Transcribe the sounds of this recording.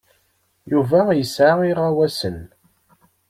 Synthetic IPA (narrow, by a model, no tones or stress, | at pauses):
juvæjəsʕaiʁawæsən